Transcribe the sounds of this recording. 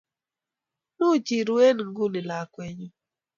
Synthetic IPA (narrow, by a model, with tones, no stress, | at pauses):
nu˦˨t͡ʃi˨ɾu˦e˦n˨ŋ̩˦ɡu˦nɪ˨la˨kwe˨ɲu˦